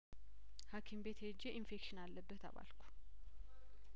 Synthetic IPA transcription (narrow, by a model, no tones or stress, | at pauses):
hakʰimbe̞t̪ʰed͡ʒːeʔinfekʃɪnalːəbːət̪ʰa̰βa̰lkʰu̥